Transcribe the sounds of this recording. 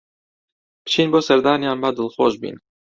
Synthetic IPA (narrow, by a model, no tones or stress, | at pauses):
pt͡ʃʰiːnboːsɛɾd̪ɑːnijɑːnbɑd̪ɨlxoːʒbḭːn